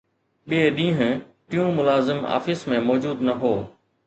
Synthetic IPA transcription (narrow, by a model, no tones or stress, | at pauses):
ɓieɗĩːɦʊ̃ʈijũmʊlaːzɪma̰ːfɪsmẽmɔːd͡ʑuːd̪nɐɦoː